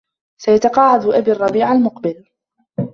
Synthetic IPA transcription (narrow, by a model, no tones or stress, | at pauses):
sajat̪aqɑːʕɪd̪ʔabiːɑrˤːɑbiːʕalmʊqbɪl